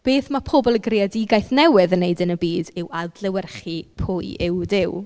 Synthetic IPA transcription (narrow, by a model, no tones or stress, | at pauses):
b̥eːθmapʰobɔlˠəɡrɪadiɡajθnɛwɨðənːejdənəbiːdɪwadlɛwɛrχipʰʊːɨʔɪwdɪw